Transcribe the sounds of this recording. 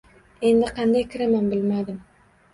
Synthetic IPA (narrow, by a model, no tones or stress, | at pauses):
e̞nd̪ɪqʰɑnd̪ajkʰʲɪɾamanbɪlmad̪ɪm